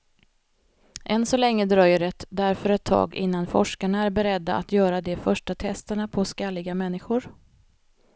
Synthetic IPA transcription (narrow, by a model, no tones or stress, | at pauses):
ʔɛnsɔlɛŋːəd̪ɾɑːjʏɾɛt̪ːd̪æɾfœɾɛt̪ʰːɑ̰ːɡɪ̰nːanfɔ̰ʂkaɳaæɾbɛɾɛd̪ːaa̰t̪jœːɾad̪ɛfœʂʈat̪ʰɛst̪əɳapʰɔskalːɪɡamɛnːɪɧʊɾ